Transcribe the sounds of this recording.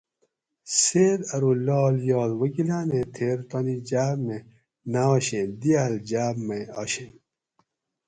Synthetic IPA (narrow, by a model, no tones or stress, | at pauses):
seːɾɐɾulɔːljɔːlwɐɡilaːnẽt̪ʰeːɾt̪ɐnid͡ʑaːbme | naɔɕed̪iaːld͡ʑaːbmeɔ̰ɕem